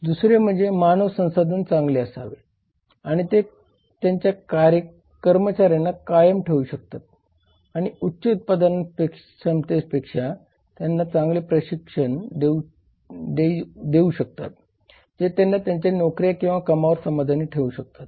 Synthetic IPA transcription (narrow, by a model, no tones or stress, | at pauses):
d̪usɾjem̤əɳd͡zemanəʋsə̃w̃sad̪ʱənt͡sãŋɡleəsaʋe | aɽ̃it̪e | t̪jaɲt͡ɕjakaɾjə | kəɾmət͡ɕaɾjanːakajəmʈʰeuɕək̚t̪at̪̚ | aɽ̃iutːɕəut̪̚pad̪ənpek | səmt̪ed͡ʑpekʂa | t̪janːat͡sãŋɡlepɾəɕikʂəɳd̪e | d̪ed̪euɕək̚t̪a̰t̪ | d͡zet̪janːat̪jaɲt͡ɕanokɾijakĩw̃ʋakəmaʋəɾsəmad̪ʱaniːʈʰeuɕək̚t̪at̪̚